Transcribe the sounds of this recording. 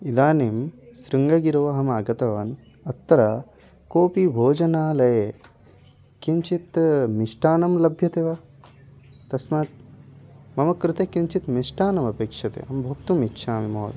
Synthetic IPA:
id̪aːnimsɾiŋɡɐɡiɾoʋɐɦɐmaːɡɐt̪ɐʋɐːn | ɐt̪ːɐɾɐ | koːpibʱoːd͡ʒɐnaːlɐje | kimt͡ʃit̪miʂʈaːnɐmlɐbʱjɐt̪eʋɐ | t̪ɐsmaːt̪̚ | mɐmɐkɾut̪ekimt͡ʃit̪miʂʈaːnɐmɐpeːkʂɐt̪ḛɐmbʱukt̪umitːʃʰaːmimoːd̪

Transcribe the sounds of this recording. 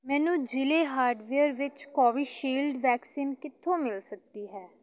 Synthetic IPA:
mɛːnũːd͡ʒɪleːɦaːɾɖʋeːəɾʋɪt͡ʃkɔːʋiːʃiːlɖʋɛːksiːnkɪt̪ʰːõːmɪlsək̚d̪iːɦɛː

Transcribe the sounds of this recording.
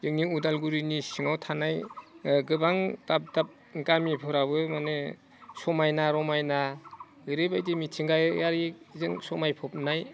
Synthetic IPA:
ɯŋniudalɡuɾinisiŋawtʰanajɡɯbaŋdap̚dap̚ | ɡamipʰɯɾabɯmane | sɔmajnaɾɔmajna | ɯɾɯbajdimitʰiŋɡajaɾizɯŋsɔmajpʰɔp̚naj

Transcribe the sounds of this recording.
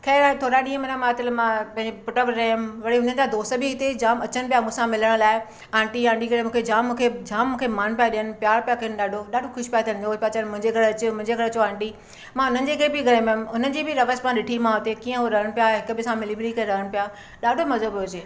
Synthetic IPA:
kʰeːt̪ʰoːɾaɗĩːə̃mɐnãmãt̪ələmãpɐ̃ɦɪ̃ɲd͡ʑepʊʈəbɾeːmʋɐɽiɦʊnənɪ̆d͡ʑad̪oːst̪əbʱɪɪt̪ed͡ʑaːmɐt͡ɕəñɪpijamũːsãmɪləɽ̃laːɪ | ãːɳʈiãːɳɖikɐɽemũːkʰed͡ʑaːmːũːkʰed͡ʑaːmːũːkʰemaːnpjaɗɪjənɪ̆pjaːɾpijakɐənɪɗaːɖʱoɗaːɖʱokʰʊʃpjat̪ʰnd͡ʑoːspjat͡ɕənmʊ̃ɦɪ̃ɲd͡ʑekɐɾeɐt͡ɕmʊ̃ɪ̃ɲd͡ʑeɡɐɾɐt͡ɕoãːɳɖi | mãʊn̤ənɪ̆d͡ʑekɐɾebʱiɡɐɾemʊmʊnənɪ̆d͡ʑiːbʱɪɾɐʋəsmãɗɪʈʰimãɦot̪ekiːə̃ɦoɾɐɦəɽ̃pijaɦɪkʊ̆bʱɪsãmɪlibɪɾikɐɾɐɦəɽ̃pija | ɗaːɖʱomɐzəboːd͡ʑeː

